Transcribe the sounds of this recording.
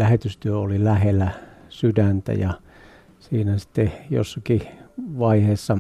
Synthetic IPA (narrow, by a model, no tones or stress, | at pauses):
læhet̪yst̪yøolilæhelːæsydænt̪æ̰jɑ | siːnæsi̥t̪ːejo̰sːɑkiʋɑiheːsːɑ